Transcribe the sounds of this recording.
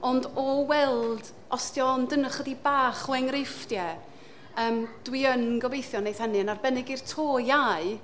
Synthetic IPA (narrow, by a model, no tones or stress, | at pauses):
ɔndɔwɛlˠd̥ | ɔstjɔndənəχədibaːχɔɛŋrɪftjɛ | əːmd̥wiənɡɔvejθjɔnejθhɛnɨənarbɛnɛɡirtʰoːjaɨ